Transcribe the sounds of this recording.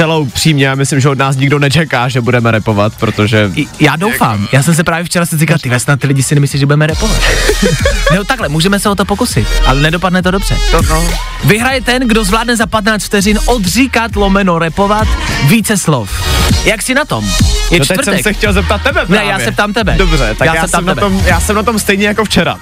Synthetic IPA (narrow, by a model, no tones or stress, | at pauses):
t͡sɛlowpr̥iːmɲɛjaːmɪslɪmʒɛodnaːs̬ɲɪɡdo̞nɛt͡ʃɛkaːʒɛbudɛmɛɾɛpovat̪pɾot̪oʒɛjaːdowfa̰ːmjaːsɛms̬ɛpɾaːvjɛft͡ʃɛɾasɛzikalt̪ɪvɛstnat̪ɪlɪɟɪsɪnɛmɪsliʒɛbudɛmɛɾɛpova̰t̪ | nɛot̪aklɛmuːʒɛmɛsɛot̪opokusɪt̪ʔalɛnɛdo̞padnɛt̪odobr̥ɛ̰ | vɪɦɾajɛt̪ɛnɡdo̞zvlaːdnɛzapat̪naːt͡st̪ft̪ɛrɪnʔod̪riːkat̪lo̞mɛnoɾɛpo̞vat̪viːt͡sɛslofjaksɪnat̪o̞mjɛvɾɛɛsɛxcɛlzɛp̚t̪at̪̚ːɛbɛpɾnɛjaːsɛp̚t̪aːmt̪ɛbɛdobrɛt̪ajaːjsːɛp̚t̪aːmnɛbɛt̪omjaːsɛmnat̪omst̪ɛjɲɛjakoft͡ʃɛɾa̰